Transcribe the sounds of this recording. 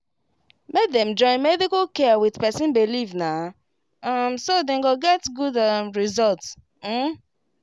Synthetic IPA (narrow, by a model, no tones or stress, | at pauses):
mek̚dɛ̃md͡ʒɔ̃ɪ̃nmɛdikalkɛwiðpɛsĩnbilivna | amsodẽŋɡoɡɛtɡudamɹizɔlts̩